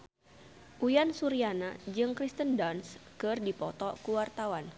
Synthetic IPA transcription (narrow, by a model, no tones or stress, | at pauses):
ʔujansuɾianad͡ʒɨŋkɾist̪əndɔnskɨrdipɔt̪ɔkuwart̪awan